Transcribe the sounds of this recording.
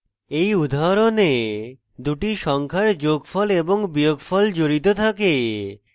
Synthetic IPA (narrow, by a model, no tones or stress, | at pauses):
ejud̪ʱaɾone | d̪uʈiʃɔŋkʰaɾd͡ʑoɡfɔleboŋbijoɡfɔld͡ʑoɾit̪̬ot̪ʰake